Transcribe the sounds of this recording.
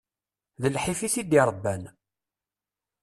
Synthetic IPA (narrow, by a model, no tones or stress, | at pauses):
ðəlħifiθid̪iɾˤəbːæn